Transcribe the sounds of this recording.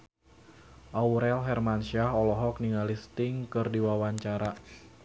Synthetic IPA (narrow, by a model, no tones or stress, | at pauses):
ʔauɾɛlɦɛrmanʃiaɦɔlɔɦɔk̚niŋalist̪ɪŋkɨrdiwawaɲt͡ʃaɾa